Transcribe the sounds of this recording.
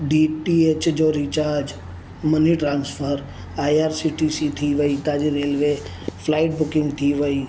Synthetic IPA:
ɖiʈieːt͡ʃd͡ʒoːɾit͡ʃaːɾd͡ʒ | məniʈɾãːnspʰəɾ | aːiaːɾsiʈisit̪ʰiʋəit̪aːd͡ʒiɾeːlʋe | pʰlaːɪʈ̚bʊkɪ̃ŋɡt̪ʰiʋəi

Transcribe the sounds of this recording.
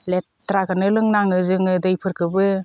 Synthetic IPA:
le | tːɾaɡanɯlɯŋnaŋɯzɯŋɯdɯjpʰɯɾkʰɯbɯ

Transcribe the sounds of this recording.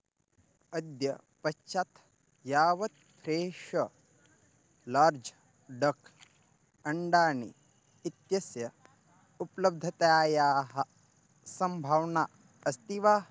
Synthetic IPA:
ɐd̪jɐ | pɐt͡ʃʰat̪ʰ | jaːʋɐt̪̚ | pɾeːʃʂɐ | laːɾd͡ʒ | ɖɐkʰ | ɐɳɖaːnḭː | t̪jɐsjɐ | uplɐb̚d̪ʱɐt̪aːjaːɦɐ̆ | sɐmbʱawnaː | ɐst̪iʋaː

